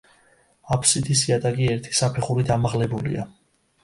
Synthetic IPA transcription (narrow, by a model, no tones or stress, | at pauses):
apʰsit̪ʰisiad̪aɡiɛɾt̪ʰi̥sapʰɛχuɾid̪amaʁlɛbulḭa̰